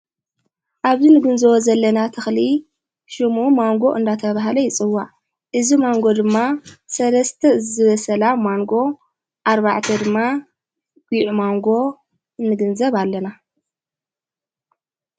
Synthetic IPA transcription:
ʔaβzinɨɡɨnzɐwɔzɐlːɐnat̪ʰɨxli | ʃɨmumaŋɡo̞ʔɨnd̪at̪ʰɐβaɦlɐjɪt͡sʼɨwːaʕ | ʔɨzimaŋɡo̞d̪ɨmːasɐlɐst̪ʰɐɨzɨβɐsɐlamaŋɡo̞ | ʔaɾβaʕt̪ʰɐd̪ɨmːa | ɡ̥iʕumaŋɡo̞ | nɨɡɨnzɐβalːɐna

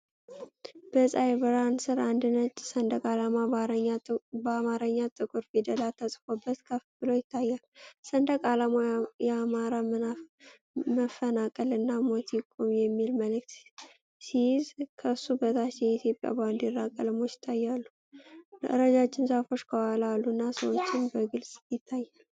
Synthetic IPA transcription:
b̥əsʼajbɨɾansɨɾand̪ɨnət͡ʃʼːsənd̪əkʼalamaɾbəamaɾəɲːat̪ʼɨkʼuɾfid̪əlat̪ʰːəsʼfo̞bːət̪kʰəfbɨlo̞jɪt̪ʰːajːalsənd̪əkʼalamajɛamaɾa | məfənakʼəlɨnːamo̞t̪jɪkʼomjɛmːilməlɨk̚t̪ | sijɪzkʰəɨsːubət̪ʰat͡ʃjɛit̪ʰjo̞pʼja̰band̪jɪrːakʼəlmo̞t͡ʃːɪ̥t̪ʰːajːalːu | ɾəd͡ʒat͡ʃːɪnsafo̞t͡ʃːkʰəwalalːuɨnːasəwot͡ʃːɪnbəɡɨlsʼjɪt̪ʰːajːal

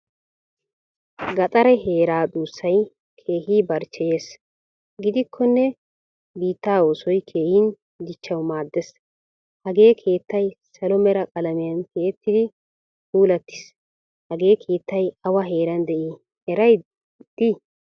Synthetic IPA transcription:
ɡɐt̪ʼɐɾɐɦe̞ːɾaːd̪uːsːɐj | kʰe̞ːɦiːbɐɾt͡ʃːɛje̞ːs | ɡɪd̪ɪkʰːɔnːɛ | biːt̪ːaːo̞ːsɔjkʰe̞ːhin | d̪ɪt͡ʃːɐwmaːd̪ːɛs | hɐɡe̞ːkʰe̞ːt̪ːɐjsɐlɔmɛɾɐkʼɐlɐmɪjɐnkeːt̪ːɪd̪ɪ | t̪uːlɐt̪ːɪ̥s | hɐɡe̞ːkʰeːt̪ːɐjɐwɐɦe̞ːɾɐnd̪ɛʔi | hɛɾɐj | d̪̥i

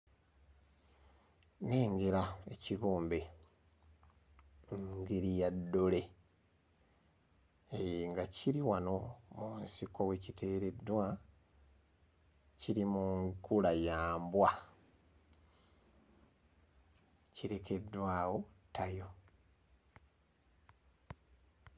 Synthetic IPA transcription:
ne̞ːŋɡeɾae̞̰ciβuːmbe̞ | ɡeɾijadːo̞le̞ | eŋɡacʰiɾiwano̞munsiko̞we̞citʰe̞ːɾe̞dwa | ciɾimuŋkulajaːmbwa | ciɾe̞ke̞dːwaːwo̞tʰajo̞

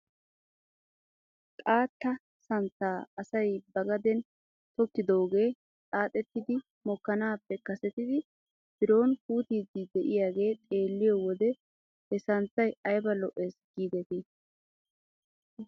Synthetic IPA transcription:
kʼaːt̪ːɐ | sɐnt̪ːaːɐsɐjbɐɡɐd̪ɛn | t̪ɔkːɪd̪o̞ːɡe̞ː | tʼaːt̪ʼɛt̪ːɪd̪ɪ | mɔkːɐnaːpːɛkɐsɛt̪ɪd̪ɪ | tb̥ɪɾo̞ːnkuːt̪iːzid̪ɛʔɪjaːɡe̞ːt̪ʼe̞ːlːɪjɔwɔd̪ɛ | hɛsɐnt͡sːɐjɐjbɐlɔʔe̞ːsɡ̥iːd̪ɛt̪ɪ

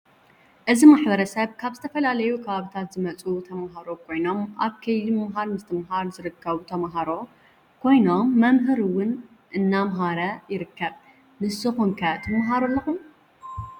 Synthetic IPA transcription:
ʔɨzimaħbɐɾɐsɐβkʰaβzɨt̪ʰɐfɐlalɐjukʰɐβaβit̪ʰat̪zɨmɐt͡sʼut̪ʰɐmɦaɾo̞kʰo̞jno̞mʔaβkʰɐjlimɐmɦaɾmɨst̪ʰɨmɦaɾzɨɾɨkʰːɐβut̪ʰɐmɦaɾo̞ | kʰo̞jno̞mːɐmɦɨɾɨwʊn | ʔɨnːamɦaɾɐjɪɾɨkːɐβ | nɨsɨxuŋkʰɐt̪ʰɐmɦaɾolːɐxum

